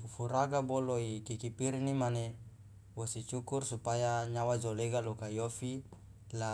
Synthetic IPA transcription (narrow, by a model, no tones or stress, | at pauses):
ufuɾaɡaboloikikipiɾinimane | wosit͡ʃukursupajaɲawad͡ʒoleɡalokaijofi | la